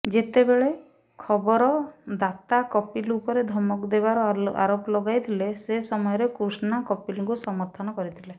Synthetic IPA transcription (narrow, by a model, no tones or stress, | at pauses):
d͡ʒet̪ebeɭe | kʰɔbɔɾɔd̪at̪akɔpilupɔɾed̪ʱɔmɔkd̪ebaɾɔa̰ɾoplɔɡajt̪ʰilesesɔmɔjɔɾekɾusɔnakɔpilŋkusɔmɔɾt̪ʰɔnɔkɔɾit̪ʰile